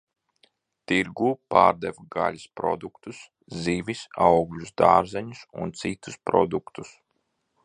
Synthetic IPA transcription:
t̪iɾɡuːpa̰ːɾd̪ɛvɡa̰lʲuspɾɔ̰d̪ukt̪us | ziːvʲisawɡlʲusd̪aːɾzɛɲusṵnt̪sit̪uspɾɔ̰d̪ukt̪us

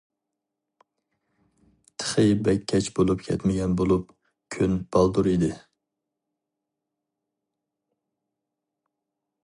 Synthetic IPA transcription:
t̪ʰə̥χɨbɛkʲʰːɛt͡ʃbolˠupkʲʰɛ̰t̪mɪɡʲɛnbolˠup̚ | kʲʰynb̥ɑlˠd̪uɾid̪ɪ

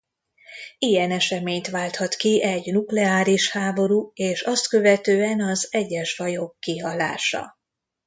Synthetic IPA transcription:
ijɛnɛʃɛmeːɲt̪ʋaːlt̪hɒt̪kiʔɛɟnuklɛaːɾiʃhaːbo̞ɾuːeːʃɒst̪kø̞vɛt̪øːɛnɒzɛɟːɛʃfɒjo̞kːiɦɒla̰ːʃɒ̰

